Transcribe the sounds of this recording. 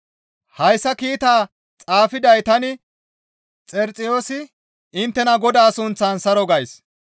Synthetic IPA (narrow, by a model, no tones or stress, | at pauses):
hɐjsːɐkiːt̪aː | t͡sʼaːfɪd̪ɐjt̪ɐnɪ | t͡sʼɛɾt͡sʼɪjo̞ːsɪ | ɪnt̪ːɛnɐɡɔd̪aːsʊnt͡sːansɐɾɔɡɐjs